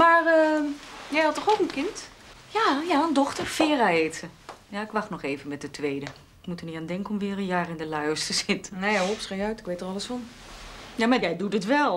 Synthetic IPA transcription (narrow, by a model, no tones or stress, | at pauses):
marəjɛjhɑtɔxokənkɪnt | jajaəndɔxtərfɪːraeːtəjaɪkʋaxtnɔxeːvənmɛt̚dətʰʋeːdə | ɪkmutərniandɛŋkəɔmʋɪːrənjaːrɪndəlœɥəstəsɪtənɛjaopsrejœɥtɪkʋeːtərɑləsɔn | jamajɛjdutətʋɛlˠ